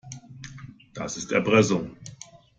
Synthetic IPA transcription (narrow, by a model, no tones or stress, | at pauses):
d̥asɪstɛɐbʁɛsʊŋ